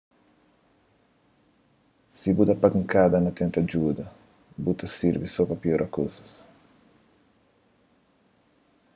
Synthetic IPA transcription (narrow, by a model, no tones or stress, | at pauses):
sibut̪ɐpakŋkad̪ɐnɐt̪ẽnt̪ɐd͡ʒud̪ɐ | but̪ɐsiɾvisɔpɐpioɾʔɐkosɐ̥s